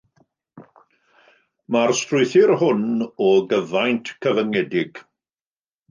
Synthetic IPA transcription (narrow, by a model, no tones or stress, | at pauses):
marstrʊjθɪrhʊnɔɡəvajntʰkʰəvəŋɛdɪɡ̥